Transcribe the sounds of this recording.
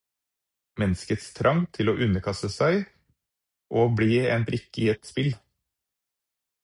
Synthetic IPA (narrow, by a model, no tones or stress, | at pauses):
mɛnskət̪st̪ʰɾʔɑŋt̪ʰɪloːʔʉnəkʰɑst̪əsæɪ | ʔoːbɽiːeːnt̪ɾɪkɪeːt̪spɪl